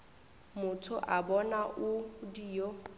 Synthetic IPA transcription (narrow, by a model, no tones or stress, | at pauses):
mʊtʰʊʔabɔnaʔʊdiːjo